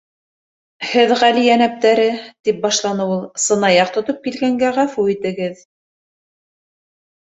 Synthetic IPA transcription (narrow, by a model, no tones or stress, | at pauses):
hɘðʁælijænæp̚t̪æɾɘt̪ip̚bɑʃlˠɑnɤwulˠsɤ̆nɑjɑq̚t̪ŏt̪op̚kilɡæŋɡæʁæfuit̪ɘ̆ɡɘð